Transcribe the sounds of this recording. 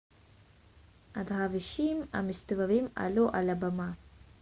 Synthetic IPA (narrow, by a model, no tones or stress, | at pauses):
ʔad̪ʁaviʃima̰mist̪avavima̰luʔa̰labama